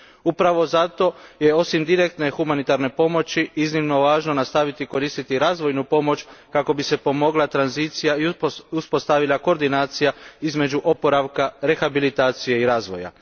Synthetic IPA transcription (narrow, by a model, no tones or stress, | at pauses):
upɾaʋo̞zat̪o̞je̞o̞simd̪iɾek̚t̪ne̞xumanit̪aɾne̞po̞mo̞t͡ʃiiznimno̞ʋaːʒno̞nast̪aʋit̪iko̞ɾiːst̪it̪iɾaːzʋo̞jnupo̞mo̞t͡ʃkako̞bise̞po̞mo̞ɡlˠat̪ɾanzit̪sijaiuspo̞st̪aʋilˠako̞ɾd̪inaːt̪sijaizme̞d͡ʒuʔo̞po̞ɾaʋkaɾe̞xabilit̪aːt̪sije̞iɾaːzʋo̞̰ja̰